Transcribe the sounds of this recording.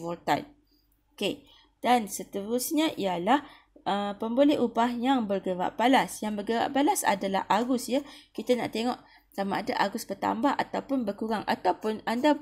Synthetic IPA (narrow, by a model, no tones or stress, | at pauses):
vɔlt̪a̰n | ke | d̥ansət̪əɾʊsɲaʔijalah | ʔəpəmbolɛɦubahjaŋbərɡəɾa̰ʔpalasjaŋbərɡəɾa̰ʔpalasa̰dala̰hʔaɡʊsjakit̪ana̰ʔt̪eŋɔʔ | samaadaʔaɡʊsbərt̪a̰mbaɦa̰t̪awpʊnbərkuɾaŋʔa̰t̪awpʊnanda